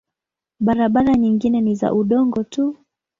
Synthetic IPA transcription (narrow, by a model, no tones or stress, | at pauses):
ɓaɾaɓaɾaɲiŋɡinɛniza̰ʔuɗɔŋɡɔtu